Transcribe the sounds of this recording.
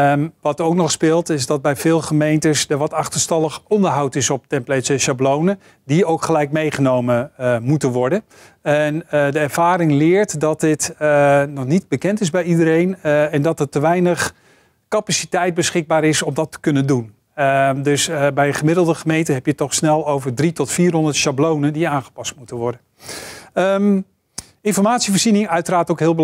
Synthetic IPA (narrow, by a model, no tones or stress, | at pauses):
ʋɑtowknɔχspɪːlˠtɪzdɑt̚bɛjvɪːlˠχəmejntəsdəɹʋɑtɑχtəstɑlˠəχɔndəɹɦʌwtɪsɔp̚tɛmplɛsəʃablownə | diowkχəlɛjk̚mejχənowməmutənʋɔɹdən | ɛndəɛɹv̥aːɾɪŋlɪːɹtdɑt̚dɪtnɔχnid̚bəkɛntɪzbɛjidəɾejnɛndɑtətəʋɛjnəχ | kapasitɛjt̚bəsχɪɡ̚baːɾɪsɔmdɑtə̥kɵnəndun | dɵsbɛjəχəmɪdəl̩ˠdəχəmejntəɦɛpjətɔχsnɛlˠowvəɹdritɔtfiːrɦɔndəɹtʃablownəndiaːnχə̥pɑstmutənʋɔɹdən | əm | ɪnfɔɹmaːtsivəɹzinɪŋœɥtəraːtowkɦɪːlˠbə